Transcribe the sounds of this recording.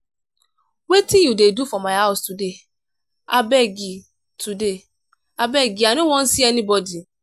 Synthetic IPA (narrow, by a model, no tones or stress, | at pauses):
wetĩjudedufɔmãaʊstude | a̰bɛɡi | tude | abɛɡianĩwɔ̃n̩siɛnĩbɔdi